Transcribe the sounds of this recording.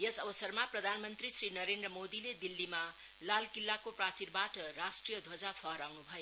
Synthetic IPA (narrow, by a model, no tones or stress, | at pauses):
jesʌbʌsʌrmaprʌd̪ʱanmʌnt̪risrinʌɾend̪rʌmod̪iled̪ilːima | lalkilːakoprat͡sirbaʈʌrasʈrijʌd̪ʱod͡zapʰʌɦʌɾawnubʱʌjo